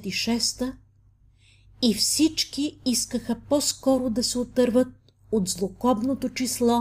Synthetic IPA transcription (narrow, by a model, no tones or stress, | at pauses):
t̪iʃɛst̪ə | ifsit͡ʃkiiskəxɐpɔskɔɾod̪ɐsɛot̪əɾvət̪̚ | od̪zlˠokɔbnot̪ot͡ʃislˠɔ